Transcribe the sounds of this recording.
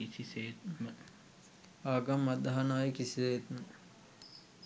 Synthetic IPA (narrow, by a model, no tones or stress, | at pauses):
isiset̪mə | aːɡamːad̪aɦanaːjekisiset̪mə